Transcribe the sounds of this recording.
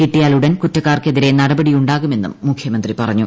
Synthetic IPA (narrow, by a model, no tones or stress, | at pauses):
kiʈːijaːluɽɐnkutːɐkːaːrke̞ðiɾe̞nɐɽɐbɐɽijuɳɖaːɣume̞nːṵmːukʰjɐmɐnd̪ripɐrɐɲːu